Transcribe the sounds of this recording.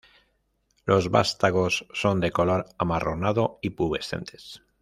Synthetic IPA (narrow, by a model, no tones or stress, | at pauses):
lo̞zβa̰st̪aɣo̞sːo̞nd̪e̞ko̞lo̞ɾamaro̞naðo̞ipuβe̞sθe̞̰nt̪ʰe̞s